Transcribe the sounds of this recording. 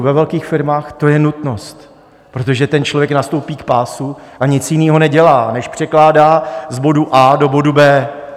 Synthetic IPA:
vɛvɛlkiːxfɪɾmaːxt̪o̞jɛnut̪no̞st̪ | pɾo̞t̪o̞ʒɛt̪ɛnt͡ʃlovjɛknast̪o̞wpiːkpaːsuʔaɲɪt͡sjɪniːɦo̞nɛɟɛlaːnɛʃpr̥ɛklaːdaːzbo̞duʔaːdo̞bo̞dubɛː

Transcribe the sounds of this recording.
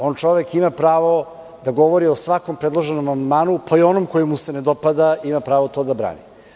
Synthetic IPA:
o̞ːnt͡ʃo̞ʋekimapɾaːʋo̞ | d̪aɡo̞ʋoɾiosʋako̞mpɾed̪lˠoʒenomand̪maːnupʰaio̞nomkojimːuse̞ned̪o̞pad̪aimapɾaːʋot̪o̞d̪abɾa̰ːnḭ

